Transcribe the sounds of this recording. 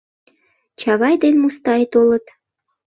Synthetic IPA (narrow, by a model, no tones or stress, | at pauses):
t͡ɕɑβɑjd̪enmust̪ɑjet̪olət̪